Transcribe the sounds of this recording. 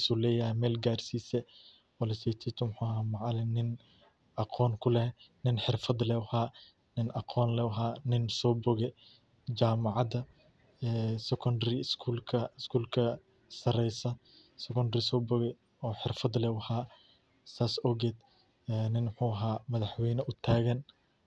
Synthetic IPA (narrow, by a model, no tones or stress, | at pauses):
sulɛːjɐɦɛmɛːlɡaːrsiːsɛ | wɐlɛsɛt̪ʰit̪ʰʊmħuːhaːmɑʕɑlɪnɪn | ɑqʰɔːnkʰʊlɛnɪnħɪrfɐd̪lɛwhaː | nɪnɑqʰɔːnlɛːwɦaːnɪnsɔːbɔɣɛ | d͡ʒaːmɑʕɑd̪ɐ | ɛːsɛkʰɔndɾɪskʰuːlkʰɐɪskʰuːlkʰɐ | sɐɾɛjsɐ | sɛkɔndrɪsɔːbɔɣɛ | ɔːħɪrfɐd̪lɛːwhaː | saːsɔɡɛːd̪ | ɛnɪnmħuːɐɦaːmɐðɐħwɛjnɐʔʊt̪ʰaːɣɐn